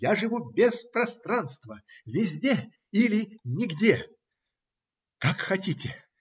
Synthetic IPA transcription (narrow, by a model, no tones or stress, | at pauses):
jaʐɨvubʲespɾɐst̪ɾanst̪vəvʲɪzʲdʲe | ilʲɪnʲɪɡdʲe | kakxɐtʲitʲɪ